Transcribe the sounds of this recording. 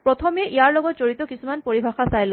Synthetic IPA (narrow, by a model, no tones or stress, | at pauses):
pɹɔt̪ʰɔmeʔijaɹlɔɡɔtzoɹit̪ɔkisumanpoɹibʱaxasajl